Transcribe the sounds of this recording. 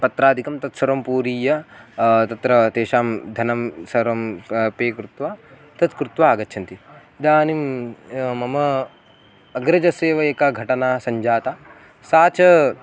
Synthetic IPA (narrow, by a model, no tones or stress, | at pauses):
pɐt̪ɾaːd̪ʱikɐmt̪ɐt̪sɐɾɐmpuːɾiːjɐ | t̪ɐt̪ɾɐt̪eːʃaːmd̪ʱɐnɐmsɐɾɐmpeːkɾut̪ʋaː | t̪ɐt̪kɾut̪ʋaːɡɐtːʃʰɐnt̪i | id̪aːnim | mɐmɐ | ɐɡɾɐd͡ʒɐseːʋɐeːkaɡʱɐʈɐnaːsɐɲd͡ʒaːt̪aː | saːt͡ʃɐ